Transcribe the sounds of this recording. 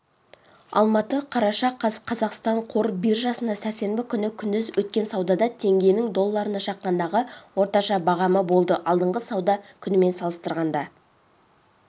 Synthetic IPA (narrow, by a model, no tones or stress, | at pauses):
ɑ̰lˠmɑt̪əqʰɑɾɑʃɑqʰɑqʰɑzɑqst̪ɑɴqʰo̞ɾbiɾʒɑsənd̪ɑsæɾse̞mbɪkʲʰʏnɪkʲʰʏnd̪ɪzwɵt̪̚kʲe̞nsɑwd̪ɑd̪ɑt̪ʰe̞ŋɡʲe̞jnɪŋd̪o̞lˠːɑɾənɑʃɑqːɑnd̪ɑʁəwo̞ɾt̪ɑʃɑbɑʁɑməbo̞lˠd̪əʔɑlˠd̪əɴʁəsɑwd̪ɑkʲʰʏnɪme̞nsɑlˠəst̪əɾʁɑnd̪ɑ